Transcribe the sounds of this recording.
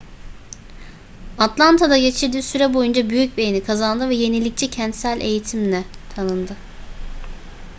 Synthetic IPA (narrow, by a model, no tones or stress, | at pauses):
at̪lˠant̪ʰad̪aɟe̞t͡ʃʰiɾd̪iːsyɾɛbo̞jund͡ʒabyjyc̚be̞jenikʰazand̪ɯvɛje̞nilʲic̚t͡ʃʰɛcʰɛnt̪sælʲʔe̞jit̪ʰimlɛt̪ʰanɯnd̪ɯ